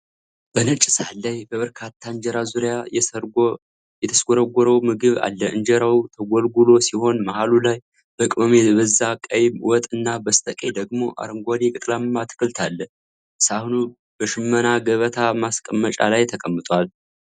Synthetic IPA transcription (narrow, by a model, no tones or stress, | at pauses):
b̥ənɨt͡ʃʼsalːajbəβəɾkʰat̪ʰːaɨɲd͡ʒɛɾazuɾjajɛsəɾɡo | jɛt̪ʰəsɡoɾəɡʷɾəwmɨɡɨβa̰lːəʔɨnd͡ʒɛɾawut̪ʰəɡʷɔlɡulo̞siho̞nmahalulaj | b̥əkʼɨməmeβəzːakʼəjmwɔt̪ʼɨnːabəst̪ʰəkʼe̞d̪əɡmo̞ʔa̰ɾɨŋɡʷalekʼɨt̪ʼlamːat̪ʰɨ̥kʼɨlt̪ʰalːə | ɨsahunu | b̥əʃɨmːənaɡəβət̪ʰamaskʼəmːət͡ʃʼa̰lajt̪ʰəkʼəmːɨt̪ʼwal